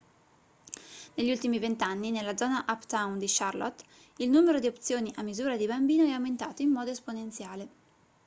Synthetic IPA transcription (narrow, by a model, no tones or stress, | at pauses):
neʎːiult̪imivent̪anːinelːad̪zɔːnaʔapt̪awnd̪iʃarlo̰t̪ː | ilnuːmeɾod̪iop̚t̪sjoːniʔamːizuːɾad̪ibambiːnoɛawment̪aːt̪oimːɔːd̪oesponent̪sjaːle